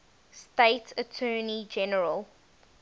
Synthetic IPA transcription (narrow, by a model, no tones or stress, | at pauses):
steɪtʰətʰɜːnid͡ʒɛnəɹəlˠ